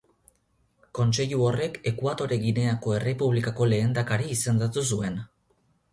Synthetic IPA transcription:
ko̞nt͡se̞ʎuore̞ke̞kuat̪o̞ɾe̞ɣine̞ako̞e̞re̞puβ̞likako̞le̞ːnd̪akaɾiːse̞nd̪at̪us̬ue̞n

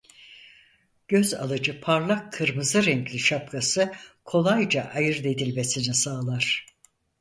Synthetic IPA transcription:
ɟ̥øza̰lˠɯd͡ʒɯpʰaɾlˠakʰːɯɾmɯzɯɾɛɲclʲiʃap̚kʰasɯkʰo̞lˠajd͡ʒaʔajɯɾd̪e̞d̪ilʲme̞sinisaːlˠaɾ̝̥

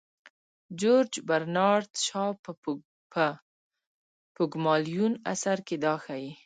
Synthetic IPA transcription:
d͡ʒoɾd͡ʒbaɾnɑɾt̪ʃɑp | pʊɡmɑlijuna̰saɾked̪ɑxaji

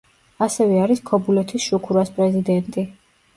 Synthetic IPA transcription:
asɛvɛaɾiskʰɔbulɛt̪ʰisʃukʰuɾaspʼɾɛzid̪ɛnt̪ʼi

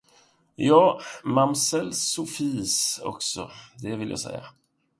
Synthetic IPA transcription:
jɑːmamsɛlsʊfiːsɔ̰ksɔd̪ɛvɪlja̰ːsɛ̰jːa̰

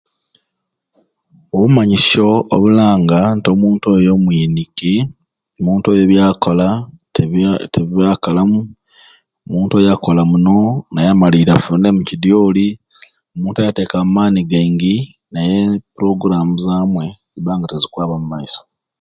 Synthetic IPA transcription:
oβumaɲiso̞oβulaːŋɡanto̞muːntojo̞mwiːniki | omuːnto̞jo̞βjaːkola | teaːkalamu | omuːntojako̞lamuno̞najamaliɾafuːnde̞mucidjo̞ːli | omuːntajate̞ːkamaːniɡeːŋɡi | najepuɾo̞ɡɾamuzaːmwe̞ziβaːŋɡatezikwaːβamumaiso̥

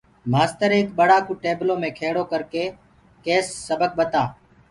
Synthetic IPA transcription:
maːst̪əɾeːkɓəɽaːkuːʈeːbloːmẽːkʰeːɽoːkəɾkeː | keːsːəbək̚ɓət̪aː

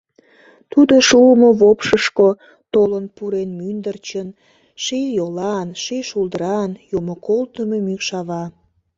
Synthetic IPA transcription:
t̪ud̪oʃuəmoβopʃəʃko | t̪olənpuɾenmynd̪ərt͡ɕən | ʃijolɑnʃiʃuld̪əɾɑnjomokolt̪əmemykʃɑβɑ

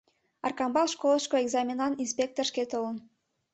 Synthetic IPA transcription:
ɑ̰rkɑmbɑlˠʃkoləʃkoeɡzɑmʲenɑninspʲek̚t̪orʃket̪olə̆n

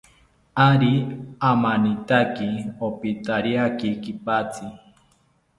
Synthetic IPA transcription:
aɾiamanit̪akiopit̪aɾiakikipat͡si

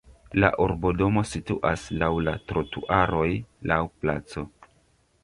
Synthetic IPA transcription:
la̰ʔoɾbodo̞mo̞situʔaslawlatɾotuʔaɾo̞jlawplat͡so̞

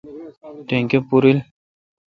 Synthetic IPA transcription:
teŋkepuɾil

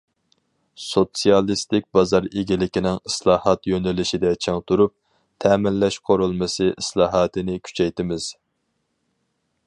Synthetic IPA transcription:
sot̪sijɑlˠist̪ɪk̚ʲbɑzɑɾeɡʲilɪkʲinɪŋɪslˠɑːhɑt̪jønɛlɪʃid̪ɛt͡ʃʰeŋt̪uɾup̚ | t̪ʰɛːmɪnlɛʃqʰoɾulˠmɨsɨʔislˠɑːɦɑːt̪ɨnɪkʲʰy̥t͡ʃʰɛjt̪ɪmɪz̥

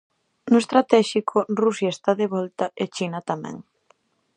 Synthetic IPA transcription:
nʊest̪ɾat̪ɛʃikʰʊrusjaest̪aðeβɔlt̪aet͡ʃinat̪amɛ̰̃ŋ

